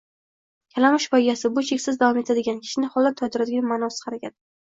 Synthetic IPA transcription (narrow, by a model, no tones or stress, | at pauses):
kʲʰalamɪʃbɒjɡʲasɪbʊt͡ʃʰekʲsɪzd̪avɒme̞t̪ʰad̪ɪɡʲankʲʰɪ̥ʃɪnɪχɒlˠːat̪ʰɒd̪ɪɾad̪ɪɡʲanmanɒsɪ̥qʰɑɾakʲʰad̪ɪ